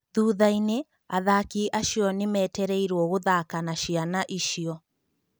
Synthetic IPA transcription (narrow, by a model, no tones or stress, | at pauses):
ðuːðaine | aðakiʔaʃiɔnemɛːtɛɾɛiɾwɔɣoðaːkanaʃianaʔiʃiɔ